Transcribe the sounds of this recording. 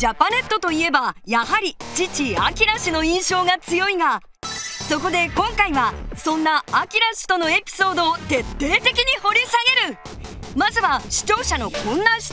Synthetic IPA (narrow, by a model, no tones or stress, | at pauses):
d͡ʑapane̞t̪ːo̞t̪o̞ie̞bajaɦaɾʲit͡ɕit͡ɕia̰kʲiɾaɕino̞ĩɰ̃ɕo̞ːɡat͡sɨjo̞iɡa | so̞ko̞d̪e̞kõ̞ŋkaiβasõ̞nːaːkʲiɾaɕi̥t̪o̞no̞e̞pʲi̥so̞ːd̪o̞ːt̪e̞t̪ːe̞ːt̪e̞kʲiɲ̟iho̞ɾʲisaɡe̞ɾɯ̟ | mazɨβaɕi̥t͡ɕo̞ːɕano̞kõ̞nːãɕi̥